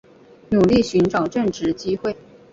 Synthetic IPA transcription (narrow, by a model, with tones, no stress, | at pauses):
nu˨˩li˥˩ɕy˧˥nʈ͡ʂɑ˨˩ʊʈ͡ʂə˥˩ŋʈ͡ʂɻ̩˧˥t͡ɕi˥xwe˥˩ɪ